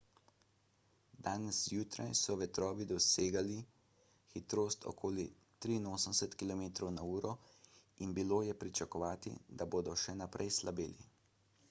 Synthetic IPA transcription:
d̪aːnɛsjuːt̪ɾa̰jsɔʋɛt̪ɾɔːʋid̪ɔseːɡali | xit̪ɾoːst̪ʰɔ̰kʰoːli | t̪ɾiːnoːsəmsɛt̪kilɔmeːt̪ɾɔwnauːɾɔinbiloːjɛpɾit͡ʃakɔʋaːt̪ḭd̪aboːd̪ɔʃɛnapɾʔɛjslabeːlḭ

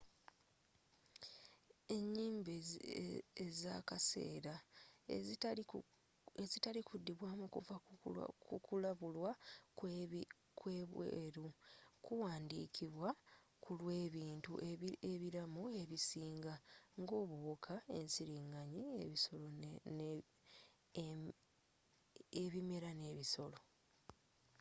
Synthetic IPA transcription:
e̞ɲːiːmbe | ezakase̞̰ːɾa | ezitalikudːiβwaːmukuvakukulaβulwa | kwe̞ːβwḛːɾukuwaːndḭːkʰiβwa | kulwe̞ːβiːntṵeβiɾamue̞βisiːŋɡaŋɡo̞ːβukʰae̞̰nsiɾiŋaɲiβiso̞lo | eβime̞ɾane̞ːβiso̞lo̞

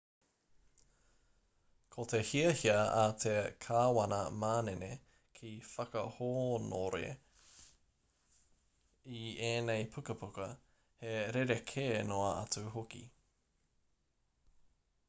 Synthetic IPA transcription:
kʰotehiɐhiɐatʰekʰaːwɐnɐmaːnene | kʰifɐkɐhoːno̰ɾḛ | ieːnejpʰukɐpʰukɐ | heɾeɾekʰeːnoɐʔɐ̰t͡sʉɦokḭ

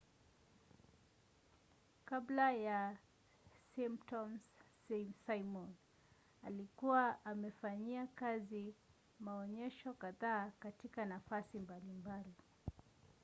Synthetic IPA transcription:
kablaja | simptɔms | sajmɔn | a̰likuwaʔːmɛfaɲiakazi | maɔɲɛʃɔkaðaːkatikanafasimbalimbali

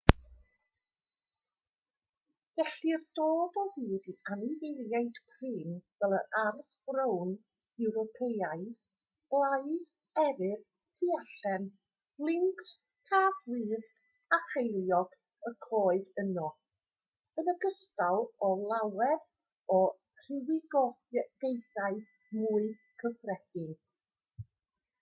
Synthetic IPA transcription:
vɛɬird̥oːdɔhɨːdianivejljaɨd̥pʰrɨːnvɛlˠəarvvrown | ɛwɾɔpʰejaɨ̥ | laj | ɛɾɨr | tʰiaɬɛn | lˠɪŋks | kʰaːvwɨːð | aχejlˠjɔɡ̥ | əkʰoːɨdənɔ | ənəɡəstalˠɔlˠawɛɾ | ɔ | r̥ɪwɪɡɔ | ɡ̥ejθaɨ | muːɨ | kʰəfrɛd̥ɪn

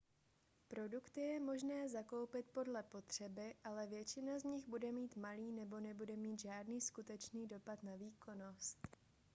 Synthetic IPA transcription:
pɾo̞dukt̪ɪjɛmo̞ʒnɛːzako̞wpɪt̪po̞dlɛpo̞t̪r̝̥ɛbɪʔalɛvjɛt͡ʃɪnazɲɪɣbudɛmiːt̪maliːnɛbo̞nɛbudɛmiːt̪ʒaːdniːskut̪ɛt͡ʃniːdo̞pat̪naviːko̞no̞st̪

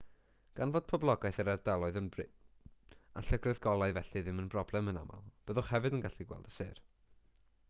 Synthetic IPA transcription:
ɡ̥anvoːd̥̚pʰɔblˠɔɡaɨθəɾɛrdɛlˠɔɨðənbrɪ | a̰ɬəɡrɨðɡɔlˠaɨvɛɬiðɪmənbrɔblˠɛməna̰ma̰lˠb̥əðʊχhɛvɨdənɡaɬiɡwɛ̰lˠdə̥sɪːr

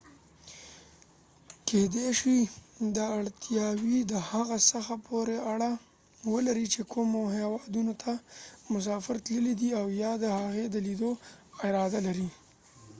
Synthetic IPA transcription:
ked̪eʂid̪əaɽt̪ʰjɑwid̪əhaɣasəxapʰoɾeaɽa | wəlaɾit͡ʃekʰumoɦewɑd̪unot̪ʰamʊs̬ɑfɪɾt̪ləlid̪iawjɑd̪əhaɣed̪əlid̪oɪɾɑd̪alaɾi

